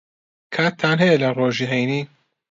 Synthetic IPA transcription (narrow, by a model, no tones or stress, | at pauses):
kʰaːt̪ʰːanɦelɐroːʒiɦejni